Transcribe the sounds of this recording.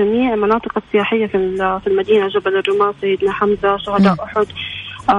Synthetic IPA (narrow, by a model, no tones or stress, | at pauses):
amiːʕmanɑːt̪ˤɨqɑsːɪjaːħɪjːafilfilmad̪iːnaʒabalɪrːʊmaːsajːɪd̪naħamzaʃʊɦad̪aːʔʊħʊd̪